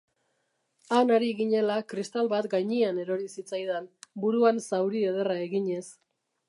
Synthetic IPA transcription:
anoɾiɣiɲe̞lakɾist̪alβat̪ɡajɲiane̞ɾo̞ɾisit͡sajðenbuɾuansawɾieð̞e̞rae̞ɣiɲe̞s

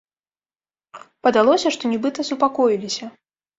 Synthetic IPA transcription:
pɐd̪alˠɔsʲɐʂt̪ɔnʲɛbɨt̪ɐsupakɔjilʲisʲɐ

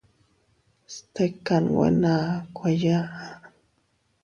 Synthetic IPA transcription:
st̪ekanwḛnakʰʷajaa

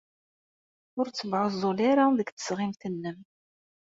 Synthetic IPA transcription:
ʊɾt͡sːəvʕʊzˤːolaɾaðəɡt̪ə̥sʁɪmθənːəm

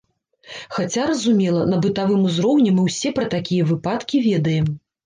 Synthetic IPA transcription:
xat͡sʲaɾɐzumʲɛlˠɐnɐbɨt̪avɨmuzɾɔwnʲɛmɨwsʲɛpɾɐt̪akʲijɐvɨpat̪kʲivʲɛd̪ɐjɛm

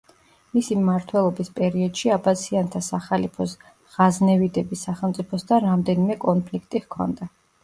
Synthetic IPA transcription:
misimmaɾt̪ʰwɛlˠɔbispʼɛɾiɔd̪̥ʃiabat̪sʰiant̪ʰasaχalipʰɔs | ʁ̥aznɛvid̪ɛbisaχɛlˠmt̪sʼipʰɔsd̪anɾamd̪ɛnimɛkʼɔnpʰlikʰt̪ʼiʁkʰɔ̰nd̪a

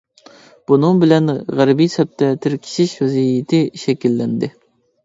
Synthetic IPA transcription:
b̥unɨŋbɪlɛnʁæɾbijsɛp̚t̪ʰɛt̪ʰɪɾkʲʰi̥ʃɪʃwɛzijit̪ʰɪʃɛkʲilːɛnd̪ɪ

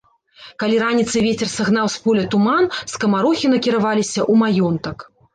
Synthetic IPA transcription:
kalʲiɾanʲit̪sɨvʲet͡sʲɛrsaɣnawspɔlʲɐt̪umanskɐmaɾɔxʲinɐkʲiɾavalʲisʲɐʔumajɔnt̪ɐk

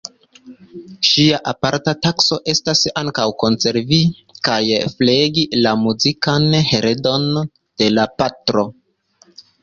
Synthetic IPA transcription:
ʃiaʔapaɾtatakso̞ʔe̞stasaŋkawko̞nse̞ɾvi | kajfleɡilamuzikanhe̞ɾedo̞n | d̥e̞lapatɾo̞

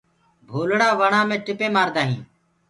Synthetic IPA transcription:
bʱoːlɽaːʋəɳãːmẽːʈɪpẽːmaːɾd̪aːɦĩː

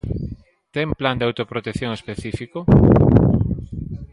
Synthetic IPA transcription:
t̪ɛmpland̪eawt̪opɾot̪ekθjoŋespeθifiko

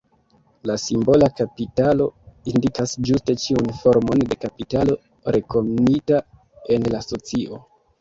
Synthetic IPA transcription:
lasimbo̞lakapitalo̞indikasd͡ʒuste̞t͡ʃiunfo̞ɾmo̞nde̞kapitalo̞ | ɾe̞ko̞mnita | e̞nlaso̞t͡siʔo̞

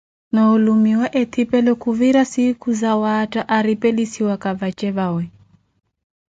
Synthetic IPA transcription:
nɔulumiwaʔɛt̪ʰipɛlɔkuviɾasikuzawataʔaɾipɛlisiwakaβat͡ʃɛβawɛ

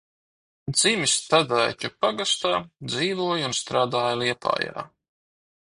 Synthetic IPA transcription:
d̪z̥imʲist̪ad̪ajcupaɡast̪aːd̪ziːvuɔjunst̪ɾaːd̪aːjalˠiɛpʰa̰ːja̰ː

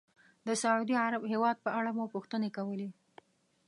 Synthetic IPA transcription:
d̪əsaʕud̪iaɾabɦewɑd̪̚pəaɽamupuxt̪ənekawəle

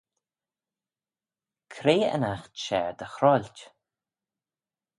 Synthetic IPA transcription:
kʰɾeːə̰naxtʃɛ̰ɹd̪əxɾɔlʲtʲ

